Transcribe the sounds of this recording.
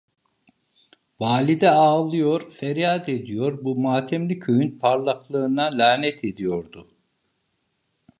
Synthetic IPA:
vaːlʲid̪ɛaːlˠɯjoɾ̥fɛɾjad̪ed̪ijoɾbumaːt̪ʰɛmlʲicʰøjynpʰaɾlˠaklˠɯːnd̪anlʲaːnɛt̪ʰed̪ijo̞ɾd̪ʊ

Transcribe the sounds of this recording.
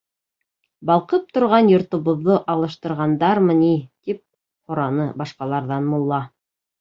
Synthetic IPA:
bɑlˠqɤp̚t̪ŏɾʁɑnjŏɾt̪ŏβŏðːɤʔɑlˠɤ̆ʃt̪ɤ̆ɾʁɑnd̪ɑɾmɤ̆nit̪ip̚ | χŏɾɑnɤbɑʃqɑlˠɑɾðɑnmulˠːɑ

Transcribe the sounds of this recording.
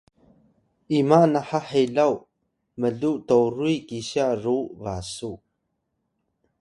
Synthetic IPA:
ʔimanaħaħeɮaw | məɮutoɾuikiɕaruvasu

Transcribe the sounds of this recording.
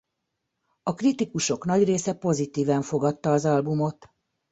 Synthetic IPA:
ɒkrit̪ikuʃo̞knɒɟreːsɛpo̞zit̪iːvɛɱfo̞ɡɒt̪ːɒːzɒlbumo̞t̪

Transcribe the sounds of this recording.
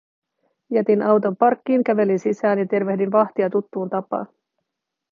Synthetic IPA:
jæt̪inʔɑwt̪o̞mpɑrkːiːŋk̟æʋe̞linsisæːnjɑt̪e̞rʋe̞hdinʋɑht̪iɑt̪ut̪ːuːnt̪ɑpɑ̰ː

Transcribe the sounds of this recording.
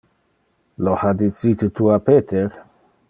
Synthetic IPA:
lohad̪it͡sit̪et̪uapeːt̪ʰeɾ

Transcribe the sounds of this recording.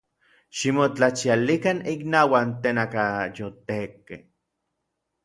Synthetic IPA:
ʃimot͡ɬat͡ʃialikaniknawant̪eːnakajot̪ekːḛ

